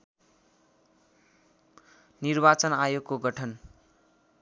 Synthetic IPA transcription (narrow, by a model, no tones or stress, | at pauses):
nirbat͡sʌnajoɡkːoɡʌʈʰʌn